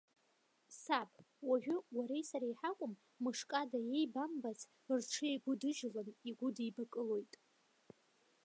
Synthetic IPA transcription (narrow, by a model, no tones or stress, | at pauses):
sapʰʼwaʒᶣʊwaɾe̞jsaɾajħakʷʼʊmː | ɨʂkʼadaje̞jbambazʰ | rʈ͡ʂʰɨejɡʷʊdɨʒlɨniɡʷʊdijbakʼɨlo̞jtʼ